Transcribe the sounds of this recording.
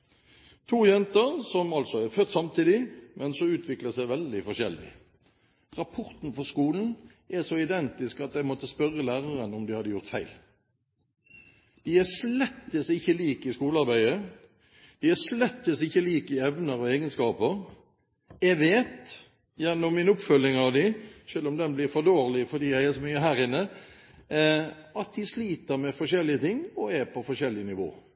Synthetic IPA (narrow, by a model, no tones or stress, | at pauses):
t̪ʰuːjɛnt̪əɾsɔmɑlt̪sɔæfœt̪ːsɑmt̪ʰiːd̪ɪmʔɛnsɔʉːt̪ʰʋɪkləsæɪʋɛld̪ɪfɔɕɛ̰ld̪ɪ̰ | ʁɑpʰɔʁt̪n̩fɔskuːln̩ | ʔɛsɔɪd̪ɛnt̪ɪskɑt̪̚d̪æɪmɔt̪ːəspœʁːəlæːʁəʁənɔmd̪ɪhɑd̪ːəjʊʁt̪fæɪl | d̪̥ɪæslɛt̪ːəsɪçːəliːkɪskuːlɑʁbæɪə | d̪̥ɪæslɛt̪ːəsɪçːəliːkɪɛʋnəɾɔeːɡənskɑːpəɾ | ɛɡʋeːt̪ | jɛnːɔmːɪnʊpfœlːɪŋɑʋd̪ɪʃøːlɔmd̪ɛnblɪɾfɔd̪oːɾlɪfɔd̪iːæhɛɪlsmyːəɦæːɾɪnːə | ɑt̪̚d̪ɪsliːt̪əɾmɛfɔʂɛlːɪət̪ʰɪŋːɔɛpʰɔfɔʃɛlːɪənɪʋo̰ː